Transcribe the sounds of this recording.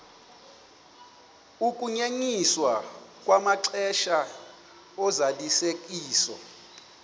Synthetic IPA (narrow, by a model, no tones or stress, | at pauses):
ukʼuɲeɲiswakʼwamaǀʰɛʃa | ɔzalisek̬ʼiːsɔ̰